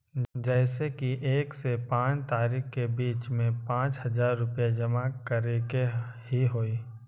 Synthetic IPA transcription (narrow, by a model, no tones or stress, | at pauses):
d͡ʒɛːsekiʔeːksepãːt͡ʃt̪aːɾiːxkebiːt͡ʃmẽpãːt͡ʃhɐzaːɾːʊpjad͡ʒɐmakɐɾekehiɦoːiː